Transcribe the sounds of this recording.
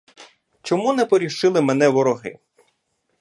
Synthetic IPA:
t͡ʃɔmunɛpɔɾʲiʃɪlˠɪmɛn̪ɛʋɔɾɔɦɪ̰

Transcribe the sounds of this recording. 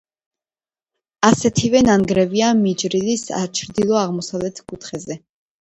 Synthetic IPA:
asɛt̪ʰivɛnanɡɾɛviamid͡ʒɾilisa̰t͡ʃʰɾd̪ilˠɔaʁmɔsavlɛt̪ʰkʼut̪ʰχɛzɛ

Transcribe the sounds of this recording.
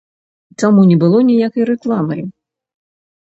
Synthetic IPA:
tamunʲɛbɨlˠɔnʲijakɐjɾɛklˠamɐ̰j

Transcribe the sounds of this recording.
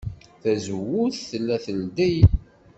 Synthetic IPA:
θæzəwʊθθəlːæθəld̪æj

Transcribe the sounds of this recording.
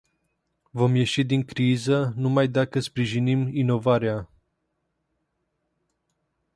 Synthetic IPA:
vo̞mje̞ʃid̪iŋkɾizənumajd̪akəspɾiʒinimino̞vaɾea

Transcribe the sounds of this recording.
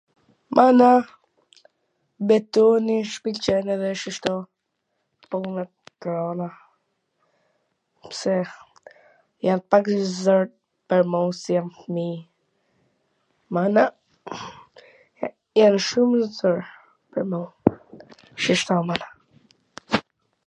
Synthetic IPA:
mʔana | bɛt̪ɔniʃpilt͡ʃɛnɛðɛʃiʃt̪ɔ | pɔna | kɾɔna | psɛ | janpakzɔɾ | pɛɾmɔsjanfmi | mana | janʃuməzəɾ | pɛɾmɔ | ʃiʃt̪ɔmana

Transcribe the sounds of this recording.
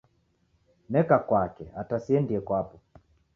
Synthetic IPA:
nɛkakwakɛatasiɛndiɛkwapɔ

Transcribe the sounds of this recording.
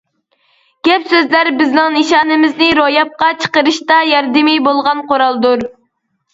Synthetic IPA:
ɡ̥ʲɛpsøzlæɾbɪznɪŋnɨʃɑːnɨmɪznɪɾojɑp̚qɑt͡ʃʰə̥qəɾɨʃt̪ɑjɑɾd̪ɪmibolˠʁɑnqʰoɾɑlˠd̪uɾ

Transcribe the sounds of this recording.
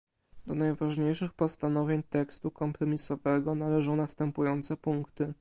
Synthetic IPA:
d̪̥ɔnajvaʐɲejʂɘxpɔst̪anɔvʲjeɲt̪ɛkst̪ukɔmpɾɔmʲisɔvɛɡɔnalɛʐɔ̃w̃nast̪ɛmpujɔnt̪sɛpuŋkt̪ɘ

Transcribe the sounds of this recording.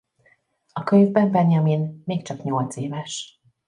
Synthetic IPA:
ɒkøɲvbɛmbɛnjɒminmeːkt͡ʃɒkɲo̞lt̪seːvɛʃ

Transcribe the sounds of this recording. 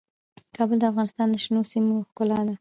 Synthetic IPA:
kʰɑbəld̪əafɣɑnɪst̪ɑnd̪əʃnosimoxkʊlɑd̪a

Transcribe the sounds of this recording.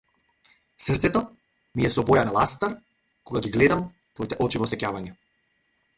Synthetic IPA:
srt̪sɛt̪ɔ | mijɛsɔbɔjanalˠast̪aɾ | kɔɡaɡiɡlɛd̪am | t̪vɔit̪ɛʔɔt͡ʃivɔsɛcavaɲɛ

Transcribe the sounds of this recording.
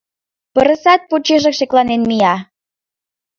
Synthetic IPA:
pə̆ɾə̆sɑt̪̚put͡ɕeʒĕkʃeklɑnenmijɑ

